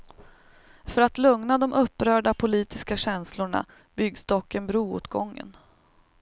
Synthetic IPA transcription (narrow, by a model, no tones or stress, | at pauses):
fœɾat̪lɵŋnad̪ɔmʔɵpːɾœːɖapʰʊliːt̪ɪskaɕɛnslʊɳa̰ | b̥ʏɡsd̪ɔkːənbɾuːṵːt̪ɡɔŋːə̰n